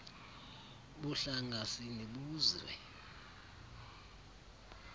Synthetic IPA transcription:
ɓuɬaŋasiniɓuːzwɛ̰

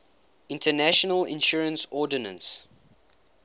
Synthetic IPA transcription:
ɪ̃ntənæʃɔnəlɪ̰̃nʃɔɹə̃nsɔdənə̰̃ns

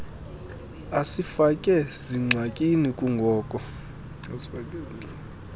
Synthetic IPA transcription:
asifakʼɛziŋ͡ǀʱakʼinikʼuŋɡʱɔːkʼɔ | kʼ

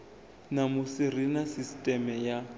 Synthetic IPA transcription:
namʊsirinasistʼɛmɛja

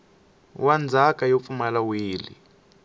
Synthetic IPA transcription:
wand͡zʱakʼajop̪fumalawiːlḭ

